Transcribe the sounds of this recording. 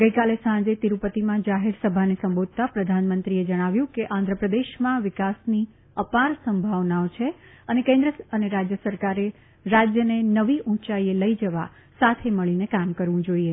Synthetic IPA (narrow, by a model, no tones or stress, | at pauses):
ɡəikalesãd͡ʒet̪iɾupət̪imãd͡ʒaɦeɾsəbʱanesə̃mbod̪̚ʱt̪apɾəd̪ʱanmə̃nt̪ɾied͡ʒəɽ̃aʋjũkeʔãnd̪ʱɾəpɾəd̪eʃmãʋɪkasni | əpaɾsəmbʱaʋnaot͡ʃʰe | ənekẽnd̪ɾəəneɾad͡ʒjəsəɾkaɾe | ɾad͡ʒjənenəʋiʔũt͡ʃaieləid͡ʒəʋa | sat̪ʰeməɭinekamkəɾʋũd͡ʒoie